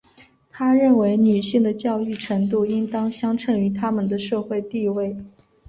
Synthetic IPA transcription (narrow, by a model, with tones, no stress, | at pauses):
t̪ʰa˥ɻə˥˩nwe˧˥ɪny˨˩ɕi˥˩ŋd̪ə˩t͡ɕjɑ˥˧ʊy˥˩ʈ͡ʂʰɤ˧˥ŋt̪u˥˩i˥ŋt̪ɑ˥ŋɕjɑ˥ŋʈ͡ʂʰɤ˥˩ŋy˧˥t̪ʰa˥mə˨nd̪ə˩ʂɤ˥˧xwe˥˧ɪt̪i˥˧we˥˩ɪ